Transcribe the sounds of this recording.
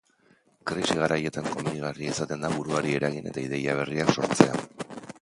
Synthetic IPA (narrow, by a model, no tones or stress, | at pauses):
kɾisiɣ̞aɾaje̞t̪aŋko̞muniɣ̞ariaisat̪e̞nd̪aβuɾuaɾie̞ɾaɣine̞̰t̪aið̞e̞jaβ̞e̞riakso̞ɾt͡se̞a̰